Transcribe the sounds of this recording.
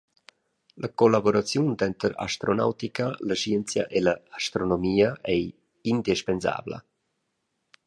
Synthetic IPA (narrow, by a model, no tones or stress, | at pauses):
ləkolaboɾat͡sjund̪ɛnt̪əɾa̰ʃt̪ɾona̰wt̪ikalaʃiənt͡sja̰ʔelaːʃt̪ɾonomiːaʔɛj | ind̪iʃpenza̰ːblə̰